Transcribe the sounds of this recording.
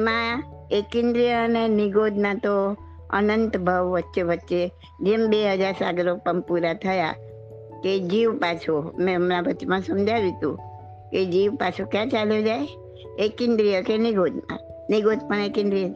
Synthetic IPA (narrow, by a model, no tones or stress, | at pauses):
mãekɪ̃nd̪ɾijəənenɪɡod̪ʱnat̪o | ə̰nənt̪bʱəʋʋətːʃeʋətːʃe | d͡ʒembeɦəd͡ʒaɾsaɡɾokpəɳpuɾat̪ʰəja̰ | ked͡ʒiʋpat͡ʃʰomẽmɾabətːʃmãsəmd͡ʒʱaʋit̪ṵ̃ | ked͡ʒiʋpat͡ʃʰokjat͡ʃaljod͡ʒae | ekɪnd̪ɾijəkeniɡod̪ʱnã̰ | niɡod̪pənekɪ̃nd̪ɾijə